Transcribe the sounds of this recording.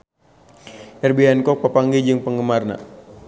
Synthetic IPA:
ɛrbiɦɛnkɔk̚papaŋɡid͡ʒɨŋpəŋɡəmarna̰

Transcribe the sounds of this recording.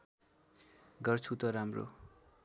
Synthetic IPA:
ɡʌrt͡sʰut̪ʌɾamro̰

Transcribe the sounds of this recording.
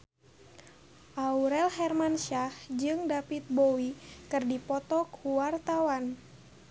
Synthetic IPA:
ʔauɾɛlhɛrmanʃahd͡ʒɨŋdafit̪̚bowikɨrdipɔt̪ɔkʰuwart̪awan

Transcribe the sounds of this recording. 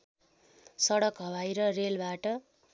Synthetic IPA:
sʌɽʌkɦʌbajɾʌrelbaʈʌ

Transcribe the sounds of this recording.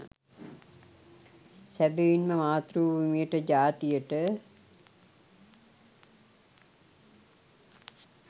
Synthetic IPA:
sæbeʋinməmaːt̪ruːbumijəʈəd͡ʒaːt̪ijəʈə

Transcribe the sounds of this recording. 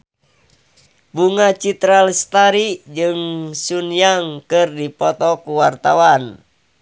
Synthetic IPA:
buŋat͡ʃit̪ɾalst̪aɾid͡ʒɨŋsunjaŋkɨrdipɔt̪ɔkuwart̪a̰wan

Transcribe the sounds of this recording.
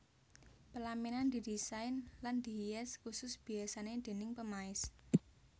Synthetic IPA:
pəlaminand̪̥i̤disaɪnland̪̥i̤hijɛskusʊsb̥i̤asaned̪̥e̤nɪŋpəmaɪs

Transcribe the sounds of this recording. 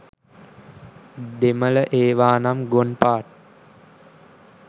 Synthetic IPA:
d̪emələʔeːʋaːnamɡonpaːʈ̚

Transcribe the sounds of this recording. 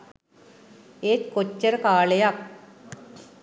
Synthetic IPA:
eːtkot͡ɕːɐɾkaːɭejak̚

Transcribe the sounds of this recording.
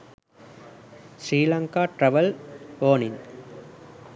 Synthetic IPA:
sɾiːlɐŋkaːʈɾɐʋɐloːnɪŋ

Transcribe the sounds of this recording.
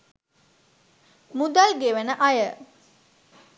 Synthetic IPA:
mud̪alɡeʋənəʔajə

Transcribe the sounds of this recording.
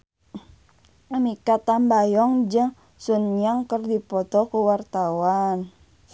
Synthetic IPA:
amikat̪ambajɔŋd͡ʒəŋ | sunjaŋkərdipɔt̪ɔkuwart̪awan

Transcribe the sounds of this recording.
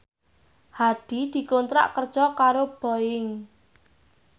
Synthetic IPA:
had̪̥i̤d̪̥i̤kont̪ɾa̰ʔkərd̥ʒ̥ɔkaɾob̥ɔ̤ɪŋ

